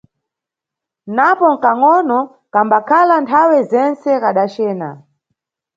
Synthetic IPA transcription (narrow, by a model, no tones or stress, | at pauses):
napɔŋ̩kaŋɔnɔ | kambakʰalantʰawɛzɛnt͡sɛkaɗat͡ʃɛːna̰